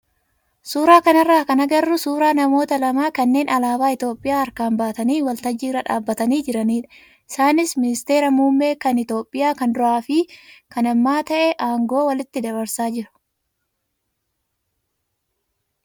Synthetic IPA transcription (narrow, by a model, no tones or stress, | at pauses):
suːɾaːkɐnɐrːaːkɐnɐɡɐrːʊsuːɾaːnɐmo̞ːt̪ɐlɐmaːkɐnːe̞ːnʔɐlaːbaːɪt̪o̞ːpʼːɪjaːɐɾkaːmbaːt̪ɐniːwɐlt̪ɐd͡ʒːiːɾɐᶑaːbːɐt̪ɐniːd͡ʒɪɾɐniːᶑɐ̥ | ʔɪsaːnɪsmɪnɪst̪e̞ːɾɐmuːmːe̞ːkɐnɪt̪o̞ːpʼːɪjaːkɐnd̪ɾɔʔaːfɪkɐnɐmːaːt̪ɐʔɛʔaːŋɡo̞ːwɐlɪt̪ːɪd̪ɐbɐɾsaːd͡ʒɪɾʊ̥